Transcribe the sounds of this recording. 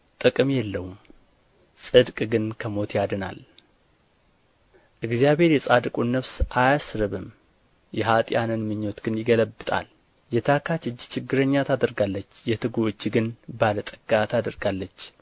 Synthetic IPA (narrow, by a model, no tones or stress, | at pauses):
t̪ʼɨkʼɨmjɛlːəwm | sʼɨd̪kʼɡɨnkʰəmo̞t̪ʰjad̪ɨna̰l | ʔɨɡzijaβhe̞ɾjɛsʼad̪ɨkʼunːəβsʔajasɾɨβɨm | jɛɦat̪ʼjanɨnmɨɲːo̞t̪ɡ̥ɨnjɪɡələbːɨt̪ʼa̰l | jɛt̪ʰakʰat͡ʃɨd͡ʒːt͡ʃʰɪɡːɨɾəɲːat̪ʰad̪əɾɡalːət͡ʃːjɛt̪ʰɨɡoɨt͡ʃːɡɨnbalət̪ʼəɡ̥at̪ʰad̪əɾɡalːət͡ʃː